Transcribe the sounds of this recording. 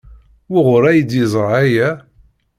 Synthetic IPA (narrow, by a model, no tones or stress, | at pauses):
wiʁʊɾˤæjəd̪jəzˤɾˤæjæ